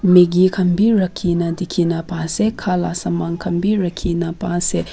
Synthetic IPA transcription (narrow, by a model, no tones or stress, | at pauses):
meɡikʰɐmbiɾɐkʰːinɐd̪ikʰinɐpasekʰalasɐmaŋkʰɐmbiɾɐkʰːinɐpase